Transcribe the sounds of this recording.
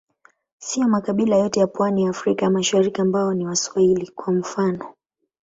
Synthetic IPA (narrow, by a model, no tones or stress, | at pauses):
sijɔmakaɓilajɔtɛjapwanijaːfɾikaamaʃaɾikiambaɔniwaswahilikwam̩fanɔ